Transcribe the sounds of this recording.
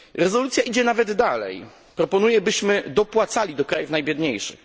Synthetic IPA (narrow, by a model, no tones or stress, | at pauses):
ɾɛzɔlut̪sʲjaʔid͡ʑɛnavɛd̪ːalɛ̰j | pɾɔpɔnujɛbɘɕmɘd̪ɔpwat̪salʲid̪ɔkɾajufvnajbʲjɛd̪ɲejʂɘ̰x